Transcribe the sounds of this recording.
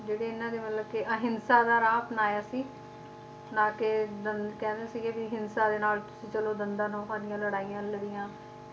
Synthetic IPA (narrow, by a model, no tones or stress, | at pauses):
d͡ʒeːɽeːɪnãːd̪eːmət̪ləbkɪʔəɦɪnsaːd̪aːɾaːpnaːjaːsiː | naːkɪd̪ənkɛ̃ːnd̪eːsɪːɡeːbiɦɪnsaːd̪eːnaːlt̪ʊ̥sĩːt͡ʃəloːd̪ənd̪ãːnõːɦaːnɪjãːləɽaːijãːləɽɪjãː